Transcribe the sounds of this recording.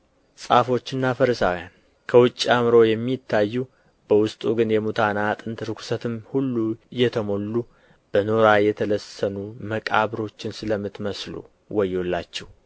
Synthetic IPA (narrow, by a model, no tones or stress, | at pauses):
sʼafo̞t͡ʃːɨnːafəɾəsawjan | kʰəwʊt͡ʃʼːiamɨɾo̞jɛmːit̪ʰːajːu | b̥əwʊst̪ʼuɡɨnjɛmut̪ʰanat̪ʼɨnt̪ɾɨkʰu̥sət̪ʰɨmhulːujːɛt̪ʰəmo̞lːu | b̥ənoɾajɛt̪ʰələsənuməkʼa̰βɾo̞t͡ʃːɪnsɨləmːɨt̪məslṵ | wɔjːolːat͡ʃːɛw